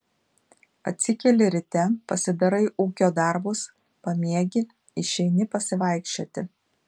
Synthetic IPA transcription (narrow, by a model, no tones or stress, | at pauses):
ɐt̪ʲsʲɪkʲɛlʲɪɾʲɪt̪ʲɛpɐsʲɪd̪ɐɾɐɪʔuːkʲoːd̪ɑˑɾbʊs | pɐmʲiɛɡʲɪ | ɪʃʲɛɪnʲɪpɐsʲɪʋɑˑɪkʃʲt͡ʃʲoːt̪ʲɪ